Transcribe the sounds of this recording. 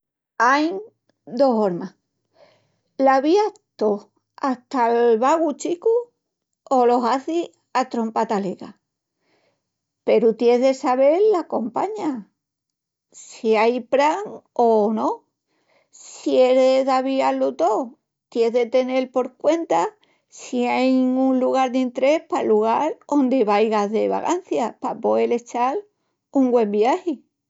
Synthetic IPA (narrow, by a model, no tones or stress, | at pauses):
ajn | d̪o̞ɦoɾma | laβiat̪o | aht̪alβaɣut͡ʃiku | olo̞ɦaθi | at̪ɾo̞mpat̪aleɣa̰ | pe̞ɾut̪jeðe̞saβe̞ɾlako̞mpa̰ɲa | siajpɾaŋono̞ | sie̞ɾeeðaβialut̪o | t̪je̞ðe̞t̪e̞ne̞lpo̞ɾkwe̞nt̪a | siajŋunluɣ̞aɾd̪int̪ɾe̞hpaluɣ̞aɾo̞nd̪eβajɣaðe̞βa̰ɣan̟θjapapo̞ele̞t͡ʃal | uŋɡwẽ̞mbiahi